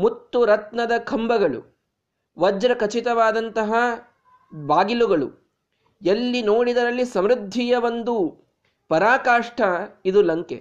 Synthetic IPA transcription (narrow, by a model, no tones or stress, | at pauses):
mut̪ːuɾɐt̪nɐd̪ɐkʰɐmbɐɡɐɭṵ | ʋɐd͡ʒɾɐkɐt͡ʃit̪ɐʋaːd̪ɐnt̪ɐɦɐ | baːɡiluɡɐɭṵ | elːinoːɽid̪ɐɾɐlːisɐmɾud̪ʱːijɐʋond̪u | pɐɾaːkaːʂʈʰɐid̪ulɐŋkḛ